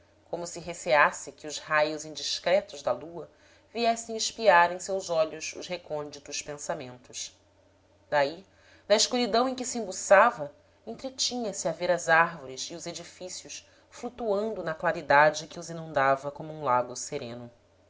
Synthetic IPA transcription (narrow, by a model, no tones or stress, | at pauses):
kõmʊsɪɦeseasɪkɪʊzhajʊzĩnd͡ʒiʃkɾɛt̪ʊʒd̪ɐluɐ | viɛsẽj̃iʃpiaɾẽj̃sewzɔʎʊsʊ̰ʃɦekõnd͡ʒit̪ʊʃpẽsamẽnt̪ʊʃ | d̪̥ai | nɐiʃkuɾid̪ɐ̃w̃ẽj̃kɪsɪĩbusavɐ | ẽnt̪ɾet͡ʃĩɲɐsɪaveɾɐzaɾvoɾɪzɪʊzed͡ʒifisiʊs | flut̪uɐ̃nd̪ʊnɐklaɾid̪ad͡ʒɪkɪʊzinũd̪avɐkõmʊũlaɡʊseɾẽnʊ